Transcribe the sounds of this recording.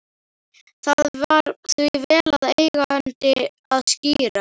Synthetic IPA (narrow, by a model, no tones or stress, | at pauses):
θaðvaɾθvivɛːlaðejɣaant̪ɪ | aðsciːɾa